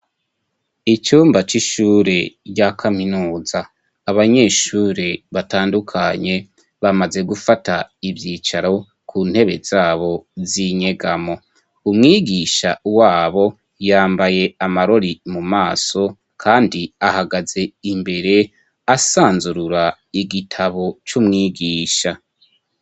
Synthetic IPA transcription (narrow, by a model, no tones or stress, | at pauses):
it͡ʃuːmbat͡ʃiʃuːɾeɟakʰaminuːzaː | βaɲeʃuːɾeβataːndukʰaɲe̞ | βamaze̞ɡufataibjiːt͡ʃaɾo̞ | kʰuːn̥he̞βe̞z̥aːβo̞ziɲe̞ɡamo̞ | umŋiːɡiːʃawaːβo̞ | jaːmbaje̞amaɾo̞ɾimumaːso̞ | kʰaːndiahaɡaz̥e̞imbe̞ɾe̞ | asaːnzuɾuɾa | iɡitʰaβo̞t͡ʃumŋiːɡiːʃa